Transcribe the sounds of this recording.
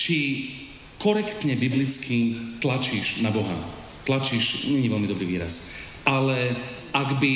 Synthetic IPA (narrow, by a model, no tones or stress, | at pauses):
t͡ʃi | kɔɾɛkt̪ɲɛbiblit͡skimt̪lat͡ʃiʒnabɔɦa̰ | t̪lat͡ʃiːʒɲɛɲiʋɛlmid̪ɔbɾiːʋḭːɾa̰s | ʔalɛ | ʔaɡbi